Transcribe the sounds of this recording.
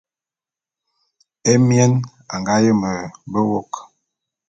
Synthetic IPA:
e˦mjɛ˦n | a˨ŋɡa˦jə˦mə˨bə˦wo˦˨k

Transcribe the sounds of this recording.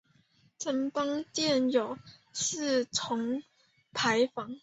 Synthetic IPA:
ʈ͡ʂə˧˩ŋp̪ɑ˥ŋt̪jɛ˥˩njo˨˩ʊ | ʂ̩˥˩t͡sʰʊ˧˥ŋ | pʰa˧˥ɪfɑ˧˥˦ŋ

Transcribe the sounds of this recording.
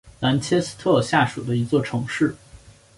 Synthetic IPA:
na˧˥nt͡ɕʰjɛ˥s̩˥t̪ʰɤ˥˧ɕja˥˩ʂṵ˨˩d̪ə˦i˧˥t͡swɔ˥˩ʈ͡ʂʰɤ˧˥ŋʂɻ̩˥˩

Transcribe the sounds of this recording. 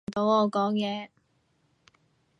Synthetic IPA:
t̪o˨˥wɔː˨˧kɔː˨˥ŋjɛː˨˧

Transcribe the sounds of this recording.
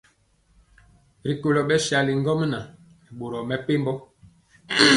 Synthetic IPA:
ɾi˨ko˨lɔ˨ɓɛ˦ʃa˨li˨ŋ˦ɡɔ˦m˦na˨ | i˨ɓo˨ɾɔ˨mɛ˦pe˦mbɔ˦

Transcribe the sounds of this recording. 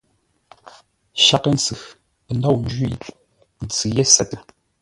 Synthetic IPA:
ʃa˨kə˦˨n̩˨t͡sɨ˨ | ə˨n˦dɔ˦˨wn̩˦d͡ʒḭ˨ | n̩˨t͡sɨ˨je˦sɛ˦˨tə˦˨

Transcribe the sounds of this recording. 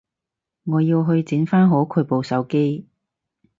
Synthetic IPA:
ŋɔː˨˧jiː˧wɦɵ˧ɥt͡siː˨˥nfaː˥nɦo˨˥wkʰɵ˨˧˥po˨˧wsɐ˨˥wke˥j

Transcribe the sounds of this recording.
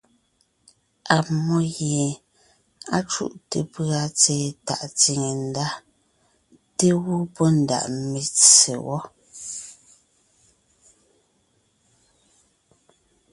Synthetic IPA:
a˨mɔ˦jje˨ | a˦t͡ʃṵ˦˨ʔte˨pɰa˨t͡seː˨ta̰˨ʔt͡si˨ŋe˨n̩˦da˦ | te˦ɣu˦pɔ˦n̩˨da̰˨ʔme˨t͡sḛ˨wɔ˦

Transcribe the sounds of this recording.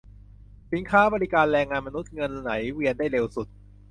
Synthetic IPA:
si˩˦nkʰaː˦˥bɔː˧li˦˥kaː˧nɾɛː˧ŋːaː˧nma˧nu˦˥t̪̚ŋɤ˧nːa˩˦jwi˧əndaː˥˩jɾe˧wsu˨˩t̪̚

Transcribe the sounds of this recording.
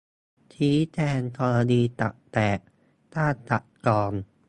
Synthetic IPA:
t̪ʰiː˦˥t̪ʰɛː˧nk̪ʰɔː˧la˧diː˧t̪a̰˨˩ʔ̚t̪ɛː˨˩k̚ | t̪aː˥˩t̪t͡ɕa˨˩ʔkɔː˧n

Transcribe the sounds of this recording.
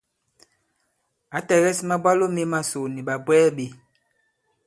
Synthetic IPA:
a˨˦tɛ˨ɣɛ˦si˦ma˦ba˦lo˦me˦ma˦so˨ni˨ɓa˨bwɛː˦ɓe˨

